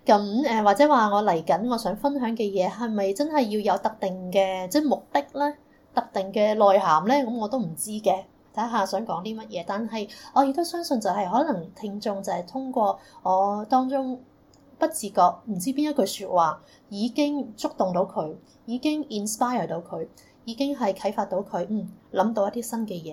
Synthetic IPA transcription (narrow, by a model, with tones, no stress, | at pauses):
kɐ˨˥mɛː˧waː˨k̚t͡sɛː˨˥waː˨ŋɔː˨˧lɐ˨˩jkɐ˨˥nŋɔː˨˧sœː˨˥ŋfɐ˥nɦœː˨˥ŋkɛː˧jɛː˨˧ɦɐ˨jmɐ˨jt͡sɐ˥nhɐ˨jːiː˧wjɐ˨˧wt̪ɐ˨˥k̚t̪ɪ˨ŋkɛː˧t͡sɛ˥mʊ˨k̚t̪ɪ˥k̚lɛː˥ | t̪ɐ˨˧k̚t̪ɪ˨ŋkɛː˧lɔː˨jɦaː˨˩mlɛː˥kɐ˨˥mŋɔː˨˧t̪o˥wm̩˨˩t͡siː˥kɛː˧ | t̪ʰɐ˨˥ɦaː˨˧sœː˨˥ŋkɔː˨˥ŋt̪iː˥mɐ˥t̚jɛː˨˧t̪aː˨nɦɐ˨jɔː˨˧je˧˥k̚t̪o˥wsœː˥ŋsɵ˧nt͡sɐ˨wɦɐ˨jɦɔː˨˥lɐ˨˩ŋt̪ʰɪ˧ŋt͡ʃʊ˧ŋt͡sɐ˨whɐ˨˩jt̪ʰʊ˥ŋkʷɔː˧ŋɔː˨˧t̪ɔː˥ŋt͡sʊ˥ŋ | pɐ˥t̚t͡siː˨kɔː˧k̚m̩˨˩t͡siː˥piː˥njɐ˥kʰːɵ˨˧syː˧t̚waː˨˩ | jiː˨˧kɪ˥ŋt͡sʊ˥k̚t̪ʊ˨ŋt̪o˨˥wkʰɵ˨˧ɥ | jiː˨˧kɪ˥ŋiː˨nspaː˥jəː˨˩t̪o˨˥wkʰɵ˨˧ɥ | jiː˨˧kɪ˥ŋɦɐ˨jkʰɐ˨˥jfaː˧t̪̚o˨˥wkʰɵ˨˧ɥm̩˥˩lɐ˨˥mt̪o˧wjɐ˥t̪iː˥sɐ˥nkɛː˧jɛː˨˧